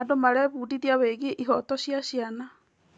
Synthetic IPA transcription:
adomaɾɛβuːdiðjaβeɣeʔiɦɔtɔɕjaɕiana

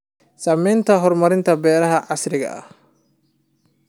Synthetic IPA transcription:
saːmɛjnt̪ʰɐɦɔrmɐɾɪnt̪ʰɐbɛːɾɐɦɐʕɑsɾɪɣɐ̰ʔɐ̰h

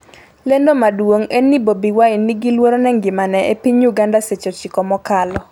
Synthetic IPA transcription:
lendomadwoŋenːibobiwainːiɡilwoɾonɛŋɡɪmanɛʔepiɲjuɡandaset͡ʃot͡ʃɪkɔmɔkalɔ

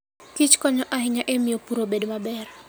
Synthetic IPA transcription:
kit͡ʃkɔɲɔʔahɪɲaʔemijopuɾobedmabɛɾ

